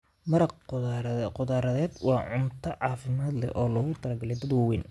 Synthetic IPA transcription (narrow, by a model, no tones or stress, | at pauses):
mɐɾɐqː | qʊðaːɾɐðɛːd̪wɑːʕʊnt̪ʰɐʕɑːfɪmaːd̪lɛ̰ʔɔːlɔːɣʊt̪ʰɐlɐɡɐlɛjd̪ɐd̪wɐwɛːn